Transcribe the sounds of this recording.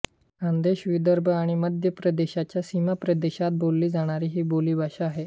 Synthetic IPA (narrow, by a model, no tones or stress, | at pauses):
ãnd̪eɕʋid̪əɾbʱəaɽ̃iməd̪ʱjəpɾəd̪eɕat͡ɕjasimapɾəd̪eɕat̪̚bolːiːd͡zaɽ̃aɾiːɦiːboliːbʱaɕaːɦe